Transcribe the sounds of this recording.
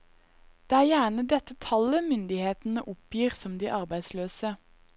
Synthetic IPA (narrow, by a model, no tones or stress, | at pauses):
d̪̥eːæːʁjæːɳəd̪ɛt̪ət̪ʰɑləmʏnd̪ɪheːt̪n̩əʔʊpjiːʁsɔmd̪iːʔɑʁbæɪd̪sløːsə